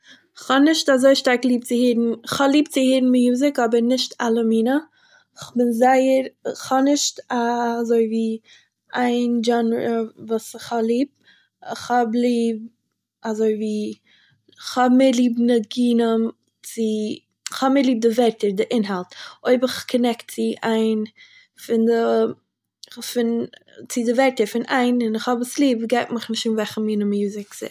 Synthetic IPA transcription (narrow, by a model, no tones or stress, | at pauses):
χɔnɪʃtazoɪʃtaɾklˠiːb̚t͡sɪhiːɾn̩χɔlˠiːb̚t͡sɪhiːɾn̩mɪjuːzɪkɔbəɾnɪʃtalˠəmiːnə | χbɪnzaɪəɾχɔnɪʃtazoɪviː | aɪnd͡ʒɔnɾəvuːsχɔlˠiːb̚ | ɪχɔbliːb̚ | azoɪviː | χhɔbmɪlˠiːbnəɡiːnəm | t͡sɪ | ɪχhɔbməɾlˠiːb̚dɪvɛɾtəɾdɪʔɪnɦalˠtoɪbɪχkʰɔnɛkt̚t͡sɪʔaɪn | fɪndə | fɪnt͡sɪdɪvɛɾtəɾfɪnaɪnɪnɪχhɔbɪslˠiːbɡaɪtmɪχnɪʃuːnvɛχəmiːnəmjuːzɪksɪ̰